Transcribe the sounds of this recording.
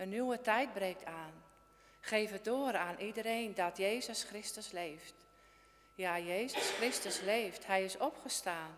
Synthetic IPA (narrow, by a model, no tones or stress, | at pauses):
ənywətɛjt̚brejk̚tʰaːn | χeːvədoəɾaːnʔidəɾeːndɔtjeːzəsxrɪstəsleːft | jaːjeːzəsxrɪstəsleːfthɛjɪsɔpχəstaːn